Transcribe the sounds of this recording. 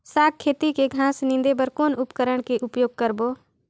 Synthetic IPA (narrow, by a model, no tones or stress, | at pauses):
saːɡ̚kʰːeːt̪ikeɡʱãːsnɪ̃nd̪ebəɾkoːnʊpkəɾəɳkeʔʊpjoːɡ̚kəɾboː